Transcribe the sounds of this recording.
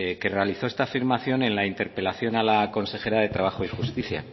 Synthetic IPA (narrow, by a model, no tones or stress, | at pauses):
ke̞re̞aliθoe̞st̪afiɾmaθjo̞ne̞nlaint̪e̞ɾpe̞laθjo̞nalako̞nse̞xe̞ɾaðe̞t̪ɾaβ̞axoixust̪iθja̰